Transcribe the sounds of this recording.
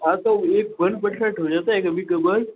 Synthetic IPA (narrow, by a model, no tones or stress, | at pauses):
at̪ɔek̚bənɖpəʈʰlaʈʰəʋd͡ʑat̪aekəbʱiːkəbəɾ